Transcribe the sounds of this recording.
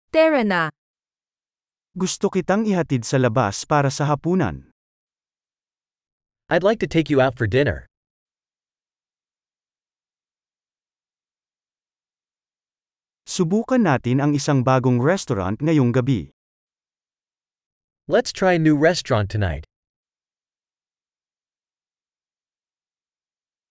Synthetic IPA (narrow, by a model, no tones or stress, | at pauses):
t̪ɛɹɐna | ɡʊst̪o̞kɪt̪aŋɪɦɐt̪id̪̚sɐlɐba̰spaːɾɐsɐɦɐpuːnɐ̰n | ʔaɪdˡlajk̚tʰɨtʰeɪkjɨaʊtfɔ˞dɪ̃nə̰˞ | sʊbuːkɐnːaːt̪ɪnɐŋɪsaŋbaːɡoŋɹɛst̪oɹa̰nt̪̚ŋɐjo̞ŋɡɐbḭ | lɛtstʰɹ̥aɪənʉɹɛstɹ̥ɑ̃ntʰːɨna̰ɪt̚